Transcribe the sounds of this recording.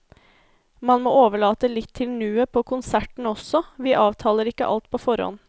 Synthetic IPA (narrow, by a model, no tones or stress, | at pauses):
mɑnmo̰ːoːʋəɭɑːt̪əlɪt̪ʰːɪlnʉːəpʰoːkʰʊnsæʈɳ̩ɔsɔʋiːʔɑːʋt̪ʰɑːləɾɪkːə̰ʔɑ̰lt̪̚pʰoːfɔɾhɔ̰n